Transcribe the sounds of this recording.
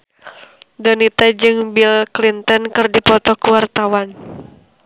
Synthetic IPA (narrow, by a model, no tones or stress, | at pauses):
dənit̪ad͡ʒɨŋbilklint̪ɔnkɨrdipɔt̪ɔkuwart̪awan